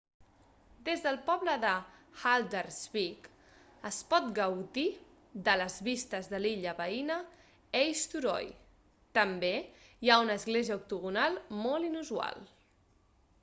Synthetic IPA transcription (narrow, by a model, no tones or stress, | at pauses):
d̪ezðəlˠpɔβləðəxald̪əɾzβik | əspɔt̪ɡəwði | ðələzβist̪əzðəliʎəβəinə | ɛjst̪uɾɔ̰j | t̪əmbejaunəːzɣleziəuk̚t̪uɣunalˠmolinuzua̰lˠ